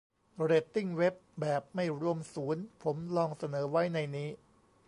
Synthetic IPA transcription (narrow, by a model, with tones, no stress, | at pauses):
ɾeː˨˩t̪ːi˥˩ŋwe˦˥p̚bɛː˨˩p̚ma˥˩jɾu˧əmsuː˩˦npʰo˩˦mlɔː˧ŋsa˧nɤː˩˦wa˦˥jna˧jniː˦˥